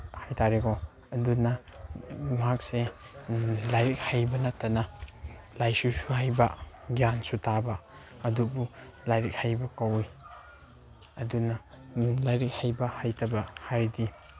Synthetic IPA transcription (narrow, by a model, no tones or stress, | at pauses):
hajtʰaɾeɡo | ɐdunɐ | mɦak̚se | lajɾik̚hajbɐnɐtːɐnɐ | lajsusuɦajbɐ | ɡijansutʰabɐ | ɐdubu | lajɾik̚hajbɐkawi | ɐdunɐ | lajɾik̚hajbɐhajtʰɐbɐhaɾdi